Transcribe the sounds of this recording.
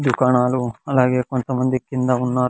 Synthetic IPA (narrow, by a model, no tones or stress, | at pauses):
d̪ukaːɳaːluɐlaːɡe̞ːko̞nt̪ɐmɐnd̪ikːind̪ɐunːaː